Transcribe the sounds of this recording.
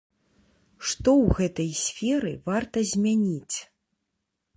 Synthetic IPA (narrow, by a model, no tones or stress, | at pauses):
ʂt̪ɔwɣɛt̪ɐjsʲfʲɛɾɨvart̪ɐzʲmʲanʲit͡sʲ